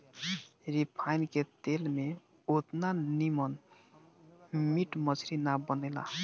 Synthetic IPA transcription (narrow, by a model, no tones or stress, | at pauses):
ɾipʰajnket̪elme | ot̪nanimən | miʈmət͡ʃʰɾinabənɛla̰